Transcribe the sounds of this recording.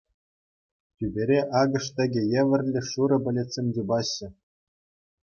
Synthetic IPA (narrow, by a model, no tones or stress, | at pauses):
tʲybʲeɾʲeʔɑɡɤ̆ʂt̪ʲɘ̆ɡʲĕjĕʋʲɘ̆rʲlʲɘ̆ʂuɾɤ̆bʲɘ̆lʲesʲemʲd̪ʲubɑɕːɘ̆